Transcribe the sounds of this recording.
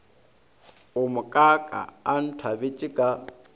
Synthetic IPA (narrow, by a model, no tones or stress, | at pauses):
ʊmʊkʼakʼa̰ːn̩tʰwabet͡ʃʼɪkʼa